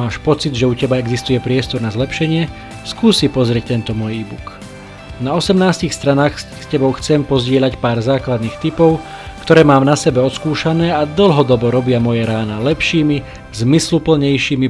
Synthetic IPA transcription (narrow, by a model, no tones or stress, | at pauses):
aːʃpɔt͡sid̪ʒɛucɛbaɛɡzist̪ujɛpɾɪɛst̪ɔɾnazlɛpʃɛɲɪɛ | skuːsipɔzɾɪɛc̚t̪ɛnt̪ɔmʊɔjiːbṵk | naɔsɛmnaːscixst̪ɾanaːxs | scɛbɔʊxt͡sɛmpɔzɟɪɛʎacpaːɾzaːklad̪niːxt̪ipɔʊ | kt̪ɔɾɛːmaːmnasɛbɛɔt̪skuːʃanɛːad̪l̩ɦɔd̪ɔbɔɾɔbɪamɔjɛɾaːnalɛpʃiːmi | zmislupl̩ɲɛjʃiːmi